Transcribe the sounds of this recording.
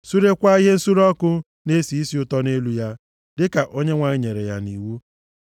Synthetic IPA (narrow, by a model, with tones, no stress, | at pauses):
su˦ɾe˦kʷa˦ɦe˦n̩˦su˦ɾɔ˦kʊ˦ | ne˦si˨i˦si˨˦ʊ˦tɔ˦ne˦lu˦ja˦ | dɪ˦ka˨ʔo˦ɲe˦ŋʷa˨ɲɪ˦ɲe˨ɾe˨ja˦ni˨wu˦